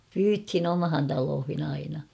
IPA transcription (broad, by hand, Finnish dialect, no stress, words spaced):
pyːthin omhɑn tɑloːhin ɑinɑ